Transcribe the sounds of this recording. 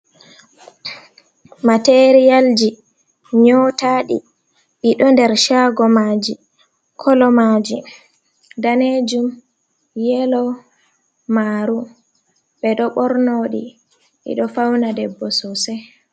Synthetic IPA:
mateɾijald͡ʒi | ɲɔtaːɗḭ | ɓiɗɔndɛɾʃaːɡɔmaːd͡ʒi | kʰɔlɔmad͡ʒi | daned͡ʒum | jɛlɔ | maːɾu | ɓɛɗɔɓɔɾnoːɗi | ɓḭɗɔfawnadɛbːɔsɔsɛ

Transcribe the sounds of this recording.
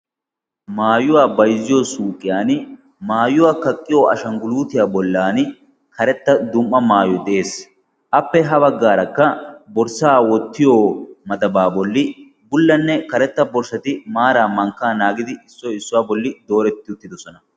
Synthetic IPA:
maːjʊwaːbɐjzːɪjoːsuːkʼɪjaːn | maːjʊwaːkɐkʼːɪjoːʔɐ̰ʃɐŋɡʊluːt̪ɪjaːbɔlːaːn | kɐɾɛt̪ːɐd̪ʊmːɐmaːjɔd̪ɛʔeːs | ʔɐpːɛɦɐbɐɡːaːɾɐkːɐbɔɾsaːwɔt̪ːɪjoːmɐd̪ɐbaːbɔlːɪ | bʊlːɐnːɛkɐɾɛt̪ːɐbɔɾsɐt̪ɪmaːɾaːmɐŋkːaːnaːɡɪd̪ɪɪsːɔɪsːʊwaːbɔlːɪd̪o̞ːɾɛt̪ːɪʊt̪ːɪd̪ɔsɔnɐ

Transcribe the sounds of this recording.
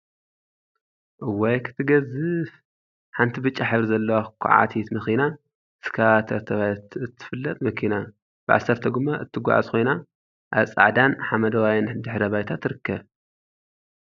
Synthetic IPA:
ʔwɔjkʰɨ̥t̪ʰɨɡɐzɨf | ħant̪ʰibɨt͡ʃʼːaħɨβɾzɐlːɐwakʷʰṵʕa̰t̪ʰit̪nɨxina | ɨskʰat̪ʰɐɾt̪ʰɐβajt̪ɨt̪ʰːɨ̥fɨlːɐt̪ʼmɐkʰina | b̥ɨʕa̰sːɐɾt̪ʰɐɡɨmːaʔɨt̪ʰːɨɡʷa̰ʕa̰zkʰo̞jna | ʔa̰βsʼa̰ʕd̪anħamɐd̪ɐwajnd̪ɨħɾɐβajt̪ʰat̪ɾɨkʰːɐβ

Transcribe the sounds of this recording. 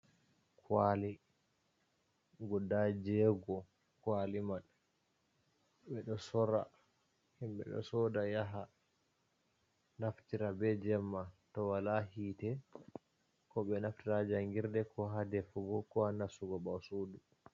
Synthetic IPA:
kʰwali | ɡɔdad͡ʒɛɡɔ | kwalimaɗ | ɓɛɗɔsɔɾa | himɓɛ̰ɗɔ̰sɔdajaɦa | naftiɾabɛd͡ʒɛmːatɔwalaɦiːtɛ | kɔɓɛnaftiɾad͡ʒaŋɡiɾdɛkɔɦadɛfuɡɔkɔhanasuɡɔɓasuːdu

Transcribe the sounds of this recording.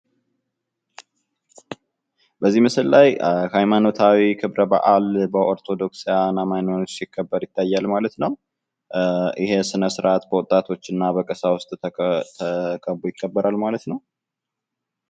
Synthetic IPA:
bəzːimɨsɨllajhajmano̞t̪ʰawikʰɨβɾəba̰ʔalbəʔo̞ɾt̪ʰo̞d̪o̞ksijanːamajnonosjɪkʰːəbːəɾjɪt̪ʰːajːalmalət̪nəw | ʔɪɦe̞sɨnəsɨɾʔat̪bəwot̪ʼːat̪ʰo̞t͡ʃːɨnːabəkʼəsawʊst̪ʼt̪ʰəkʰʼəbːujɪkʰːəbːəɾʔalmalət̪nəw

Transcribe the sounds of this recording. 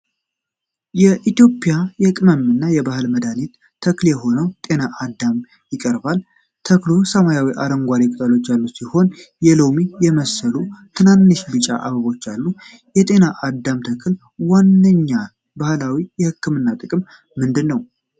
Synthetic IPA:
jɛʔit̪jo̞pʼjajɛkʼɨməmɨnːajɛbahɨlməd̪anit̪ʰːəkljɛɦo̞nəwt̪ʼe̞naʔad̪ːam | jɪkʼəɾbal | t̪ʰəklosəmajawiʔaɾəŋɡʷaɾikʼɨt̪ʼalo̞t͡ʃːjalːusiho̞njɛlo̞mijɛməsəlut̪ʰɨnanːɨʃbɨt͡ʃʼa̰ʔaβəβo̞t͡ʃːalːu | jɛt̪ʼe̞naʔad̪ːamt̪ʰəkʰl | wanːəɲːa | bahlawijɛhɨkːɨmɨnːat̪ʼɨkʼɨmː | ɨnd̪ɨnːəw

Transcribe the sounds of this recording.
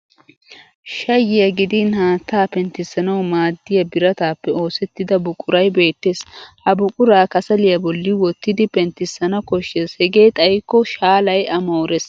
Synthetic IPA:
ʃɐjːɪjɐɡɪd̪ɪnhaːt̪ːaːpɛnt̪ːɪsːɐnɐwmaːd̪ːɪjɐbɪɾɐt̪aːpːɛo̞ːsɛt̪ːɪd̪ɐbʊkʼːʊɾɐjbe̞ːt̪ːe̞ːshɐbʊkʼʊɾaːkɐsɐlɪjɐbɔlːɪwɔt̪ːɪd̪ɪpɛnt̪ːɪsːɐnɐkɔʃːeshɛɡe̞ːt̪ʼɐjkːɔʃaːlɐjɐmoːɾɛs

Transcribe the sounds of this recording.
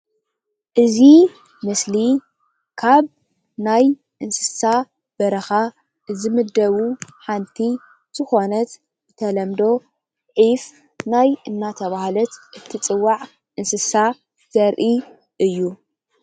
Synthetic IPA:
ʔɨzi | mɨsli | kʰaβ | naj | ʔɨnsɨ̥sa | b̥ɐɾɐxa | zɨmɨd̪ɐβuħant̪ʰi | z̥ɨxo̞nɐt̪ | ɨt̪ʰɐlɐmd̪o̞ | ʕif | najɨnːat̪ʰɐβahalɐt̪ʔɨt̪ʰit͡sʼɨwːaʕ | ʔɨnsɨsa | z̥ɐɾʔi | ʔɨjːu

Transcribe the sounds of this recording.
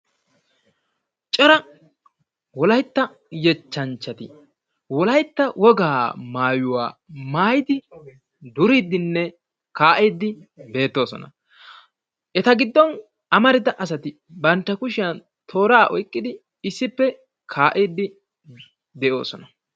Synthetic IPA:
t͡ʃʼɐɾɐ | wɔlɐjt̪ːɐ | jɛt͡ʃːɐnt͡ʃːɐt̪ɪ | wɔlɐjt̪ːɐwɔɡaːmaːjʊwa̰ːmaːjɪd̪ɪ | d̪ʊɾɪd̪ɪnːɛ | kaːʔiːd̪ːɪ | be̞ːt̪ːo̞ːsɔ̰nɐ̰ | ʔɛt̪ɐɡɪd̪ːɔn | ɐmɐɾɪd̪ɐʔɐs̬ɐt̪ɪ | bɐnt̪ːɐkʊʃɪjɐn | t̪ʰo̞ːɾaːʔɔjkʼːɪd̪ɪ | ɪsːɪpːɛ | kʰaːʔiːd̪ɪ | d̪ɛʔo̞ːsɔnɐ

